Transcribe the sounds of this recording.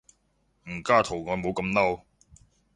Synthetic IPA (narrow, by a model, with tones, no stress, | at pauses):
m̩˨˩kaː˥t̪ʰo˨˩wŋɔː˨˧˥jmo˨˧wkɐ˨˧mnɐ˥w